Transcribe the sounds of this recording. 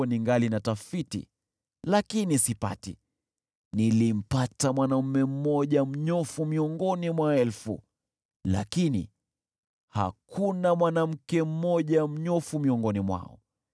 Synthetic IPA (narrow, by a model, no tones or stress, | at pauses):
ɔniŋɡalinatafitḭ | lakinisipa̰tḭ | nilim̩patamwanam̩mɛm̩mɔʄam̩ɲɔfumiɔŋɡɔnimwaɛlfṵ | la̰kinḭ | ha̰kʰunamwanam̩kɛm̩mɔʄam̩ɲɔfumiɔŋɡɔnimwa̰ɔ̰